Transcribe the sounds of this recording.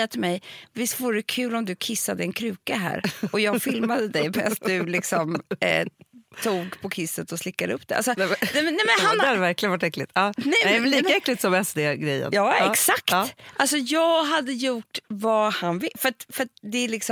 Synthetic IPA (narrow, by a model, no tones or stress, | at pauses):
at̪ʰɪlmɛjvɪst̪vʊɖɛkʰʉ̟ːlɔmd̪ɵkʰɪsːad̪əɛnkʰɾʉ̟ːkaɦæ̰ːɾɔjɑːɡfɪlmad̪əd̪ɛjmɛasst̪̚d̪ɵlɪksɔmd | t̪ʰuːɡpʰɔkʰɪsːət̪ɔslɪkːad̪əɵpːd̪̥ɛʔalsɔnɛnɛmɛnːɛmɛnɦanɛhad̪ɛvæɾklɪɡənvaʈːɛklɪt̪ɑːnɛjɛvɛlːiːkaɛkːlɪt̪sɔmɛsd̪eɡɾɛjːə̰njɑːɛksaktːʔalsɔjɑːɡɦad̪ːəjuʈvahanvɪfœɾat̪fœɾat̪̚d̪ɛælɪksɔ